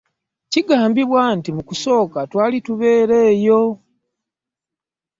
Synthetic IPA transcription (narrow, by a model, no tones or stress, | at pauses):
ciɡaːmbiβwantimukuso̞ːkatwaːlituβe̞ːɾe̞ːjo̞